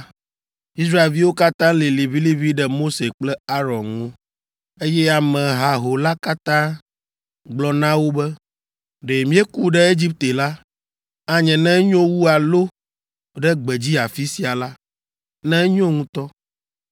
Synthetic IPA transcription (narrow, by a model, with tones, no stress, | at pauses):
i˦s̬ɾa˦e˨lvi˦wo˦ka˦t̪ã˦le˨le˨vi˦li˦vi˦ɖɛ˦mo˦se˨k͡plɛ˦a˦ɾɔ̃˨nŋo˦ | e˦jɛ˦a˨mɛ̃˨ɦa˨ɦo˨la˦ka˦t̪ã˦ | ɡ͡blɔ˨nã˦wo˦bɛ˦ | ɖe˨mĩ˦ɛ˦ku˦ɖɛ˦e˦d͡ʑi˦p̚t̪e˨la˦ | a˨ɲɛ̃˨nɛ̃˦ɲɔ̃˦wu˦a˨lo˦ | ɖɛ˦ɡ͡bɛ˨d͡ʑi˦a˨fi˦si˨a˨la˦ | nɛ̃˦ɲɔ̃˦ŋũ˦t̪ɔ˦